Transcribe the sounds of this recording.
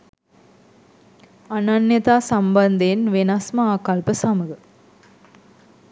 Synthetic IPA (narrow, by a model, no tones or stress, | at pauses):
ɐnanjɐt̪aːsɐmbɐnd̪enʋenasmɐaːkɐlpəsɐməɡə